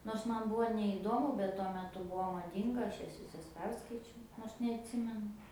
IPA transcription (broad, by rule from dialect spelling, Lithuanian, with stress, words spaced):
noːrs ˈmɐn ˈbuɔ nʲɛiːˈdoːmʊ bʲɛt tuɔ mʲɛˈtʊ ˈbuɔ mɐˈdʲiːŋɡɐ ˈɐʃ ˈjɛs ʋʲɪˈsɐs ˈpʲɛrskɐɪt͡ʃʲɛʊ ˈnoːrs nʲɛɐtʲˈsʲɪmʲɛnʊ